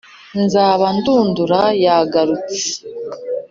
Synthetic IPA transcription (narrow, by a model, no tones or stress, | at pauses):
nzaːβanduːnduɾajaɡaɾut͡se̥